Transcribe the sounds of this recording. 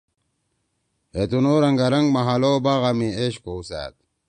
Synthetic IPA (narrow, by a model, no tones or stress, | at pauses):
het̪unoɾaŋɡaɾaŋɡmaɦalobaɣamieɕkousa̰ːt̪̚